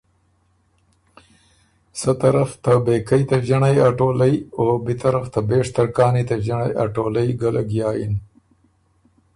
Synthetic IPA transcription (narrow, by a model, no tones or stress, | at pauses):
sət̪aɾaft̪abeːkajt̪aʒaɳajaʈoːlajoːbit̪aɾaft̪abeːʂt̪aɾkɑːnit̪aʒaɳaja̰ʈoːlajɡalaɡjɑːjḭn